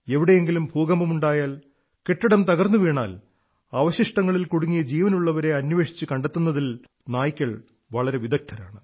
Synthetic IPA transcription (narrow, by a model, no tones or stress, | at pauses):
e̞ʋiɽe̞jeŋɡilumbʱuːɡɐmbɐmuɳɖaːjaːl | keʈːɐɽɐmt̪ɐɣɐrnːuʋeːɳa̰ːl | ɐʋɐɕiʂʈɐŋːɐɭilkuɽuŋːijɐd͡ʑiːʋɐnuɭːɐʋɐɾe̞ɐnːʋe̞ːʂi̥t͡ɕːɨkɐɳɖet̪ːunːɐðil | naːjikʲːɐɭ | ʋɐɭɐɾe̞ʋid̪ɐk̚t̪ʰɐɾaːɳɨ